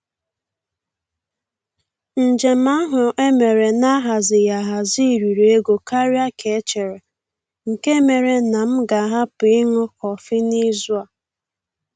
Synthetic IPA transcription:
n̩˨d͡ʒe˨m̩a˦ɦʊ˨ʔe˦me˨ɾe˨na˦ɦa˨zɪ˨ja˨ɦa˨zi˦˨ɾi˨ɾe˨e˦ɡo˨ka˦ɾi˦a˦kʰe˨˦t͡ʃe˨ɾe˨ | ŋ̩˨ke˦me˨ɾe˨na˨m̩˦ɡa˨ɦa˦pi˨ɪ˦ŋʊ˦kɔ˨fi˦ni˦zu˦a˨

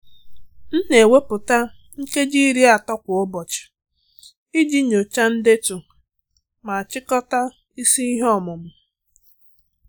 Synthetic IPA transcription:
n̩˦ne˨we˦pʊ˨ta˦ | ŋ̩˦ke˦d͡ʒi˦ɾi˦a˨tɔ˦kʷʊ˨ʊ˦bɔ˨t͡ʃɪ̥˨ | i˦d͡ʒi˦ɲo˨t͡ʃa˦n̩˦de˦tu˨ | ma˨a˨t͡ʃɪ˦kɔ˦ta˦ | i˦si˦i˦ɦɔ˦mʊ˨m̩˨

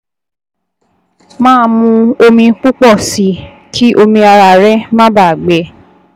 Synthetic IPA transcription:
mãː˦˧mũ˧o˧mĩ˧k͡pu˦k͡pɔ˦˨si˨˦ | kʰi˦ʔo˧mĩ˧a˧ɾa˨ɾɛ˦mã˦ba˦˨ɡ͡bɛ˨˦

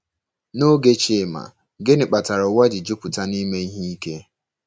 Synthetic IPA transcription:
no˦ɡe˦t͡ʃɪ˨ma̰˨ | ɡe˦nɪ˨k͡pa˨ta˨ɾʊ˨wa˦d͡ʒɪ˨d͡ʒʊ˦pʊ˨ta˦ni˦me˦i˦ɦi˦i˦ke˦

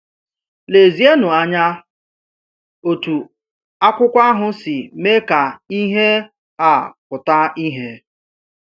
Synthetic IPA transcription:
ne˨zi˦e˦nʊ˨a˨ɲa˦ | o˨tu˨ | a˦kʷʊ˦kʷa˦ɦʊ˦sɪ˨me˦ka˨i˦ɦe˦ | a˨kʊ˨ta˦i˦ɦe˦

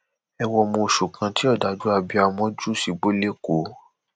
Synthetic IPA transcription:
ɛ˧wɔ˧mũ˧˨ʃu˨kʰã˨˧ti˦ɔ˦˨da˨˦d͡ʒu˦a˧bi˧a˧mɔ̃˦d͡ʒu˦˨si˧ɡ͡bo˦le˦ko˨˦

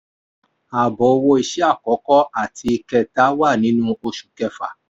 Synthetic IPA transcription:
a˨bɔ˨o˧wo˧i˧ʃɛ˦a˦˨kɔ˨˦kɔ˦a˨tʰi˧kɛ˧˨ta˨˦wa˦˨nĩ˨˦nũ˦o˧ʃu̥˨kɛ˧fa̰˨

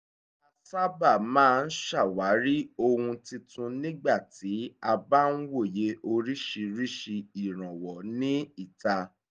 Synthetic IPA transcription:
a˧sa˦ba˦˨mãː˦˧n̩˦ʃa˦˨wa˨˦ɾi˦o˧hũ˧ti˧tũ˧nĩ˦ɡ͡ba˦˨ti˨˦a˧ba˦n̩˦wo˦˨je˨˦ʔo˧ɾi˦ʃi˧ɾi˦ʃi˧i˨ɾ̃ã˨wɔ˨nĩ˦i˦˨ta˧

